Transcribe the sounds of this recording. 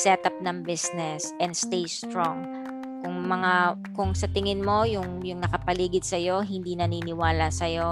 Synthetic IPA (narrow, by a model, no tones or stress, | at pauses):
sɛt̪ap̚nɐŋbɪsnɛsʔɛnd̪st̪ejst̪ɾoŋ | kʊŋmɐŋa | kʊŋsɐt̪ɪŋɪnmo̞jʊŋjʊŋnɐkɐpɐliːɡɪd̪̚sɐjo̞ɦɪnd̪iːnɐniːnɪwaːlasɐjo̞